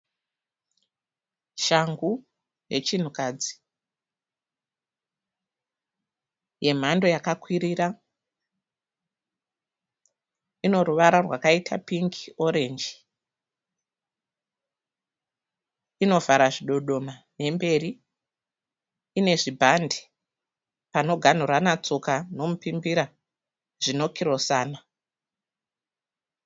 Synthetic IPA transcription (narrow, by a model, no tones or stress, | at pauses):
ʃaŋɡu | je̞t͡ʃin̤ukad͡zi | je̞m̤ando̞jakakwiɾiɾa | ino̞ɾuʋaɾarwakaitʰapiŋkio̞ɾe̞nd͡ʒi | ino̞vaɾaʐiɗo̞ɗo̞mane̞mbe̞ɾi | ne̞ʐibʱande | pano̞ɡʱan̤uranat͡sokano̞mupimbiɾa | ʐino̞kʰiɾo̞saːna